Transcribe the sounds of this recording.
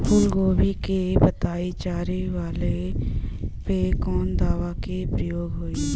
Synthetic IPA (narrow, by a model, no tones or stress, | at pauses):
pʰʊlɡoːbikebət̪aːit͡ʃaːɾeʋaːle | pekɔːnd̪aːʋakepɾəjoːɡɦoi